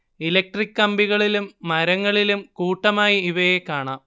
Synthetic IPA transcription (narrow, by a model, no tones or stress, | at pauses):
ilɐk̚ʈrikːɐmbiɣɐɭilumːɐɾɐŋːɐɭilumkuːʈːɐmaːjiiʋɐjekːaːɳaːm